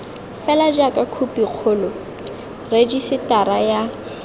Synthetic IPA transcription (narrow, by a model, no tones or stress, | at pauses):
fɛlad͡ʒakʼakʰupiq͡χʰʊːlɔ | red͡ʒisɪtaɾaja